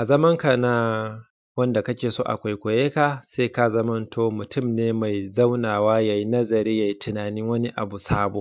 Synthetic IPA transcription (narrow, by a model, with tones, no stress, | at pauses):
ʔa˨zɐ˦mɐ˦ŋka˨na˦ | wɐ˦nda˨kɐ˦kʲeː˨soː˦ʔa̰˨kʷa˨jkʷo˨jeː˦ka˨seː˦ka˦zɐ˦mɐ˦ntʰoː˦mʊ˨tʊ˦˨mneː˦ma˨jza˦wnaː˨waː˦ja˨ji˦nɐ˦zɐ˨ɾiː˦ja˨ji˦tɪ˨naː˨nɪ˦ŋwɐ˦ni˦ʔa̰˨bu˨saː˦boː˨